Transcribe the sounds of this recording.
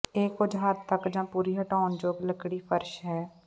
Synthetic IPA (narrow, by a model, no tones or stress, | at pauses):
eːkʊd͡ʒɦaːɾt̪əkd͡ʒãːpuːɾiːɦəʈaːnd͡ʒoːɡləkɽiːpʰəɾʃɦɛː